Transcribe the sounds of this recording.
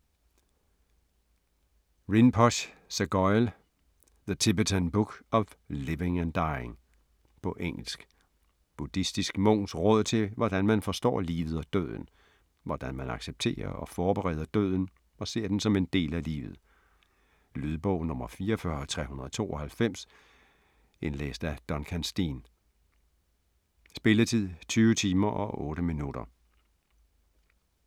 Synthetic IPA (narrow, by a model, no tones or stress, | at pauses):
ʁinpʰɒɕsæɡ̥ɒɪl | ðət͡sʰib̥et͡sʰænb̥uɡ̥ɒ̽ʋle̝ʋe̝ŋænd̥ɑ̈ɪeŋ | pʰɒ̽ʔeŋ̰l̩sɡ̥ | b̥ud̥isd̥isɡ̥mɔ̽ʊ̰nsʁɔ̽ð̞̰ˠt͡sʰe̝ʋɒd̥ænmænfɒ̽sd̥ɒ̰ːlḭːʋð̩ˠɒ̽d̥ø̰ð̞̰ˠn̩ | ʋɒd̥ænmænɑ̈ɡ̥seb̥̚t͡sʰe̝̰ːɐ̰ɒ̽fɒːb̥eʁɛ̰ːð̞̰ˠɐd̥ø̰ð̞̰ˠn̩ | ɒ̽se̝ɐ̰d̥ensɒ̽me̝nd̥e̝̰ːlælḭːʋð̞̩ˠ | lyðˠb̥ɔʊ̰nɔ̽mɐfiːɐfɶɐɒt͡sʰʁɛ̰hunɐðˠɒt͡sʰo̝̰ːɒhælfem̰s | e̝nlḛːsd̥æd̥ɒ̽nkʰænsd̥ḭn | sb̥e̝lət͡sʰið̰ˠt͡sʰyːʊət͡sʰiːmɐʔɒ̽ʔɔːɾ̥əminuɾ̥ɐ